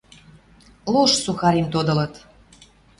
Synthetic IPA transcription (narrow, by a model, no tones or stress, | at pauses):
loʃsuxɑɾemt̪od̪ɤ̆lɤ̆t̪